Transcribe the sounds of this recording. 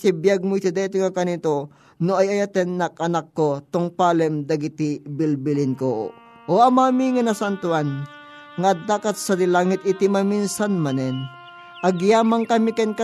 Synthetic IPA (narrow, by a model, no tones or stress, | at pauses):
sibjaɡ̚mojsɪd̪ɛt̪ɪŋakɐnit̪o | noʔajɐjat̪ɛnːɐk̚ʔɐnakːot̪ʊŋpaːlɛmd̪ɐɡɪt̪ibɪlbɪlɪnko | ʔoʔɐmamiŋɐnɐsant̪ʊan | ŋad̪aːkɐt̪̚sɐd̪ɪlaːŋɪt̪ɪt̪imɐminsanmɐnɛn | ʔɐɡjaːmaŋkɐmikɛnkɐ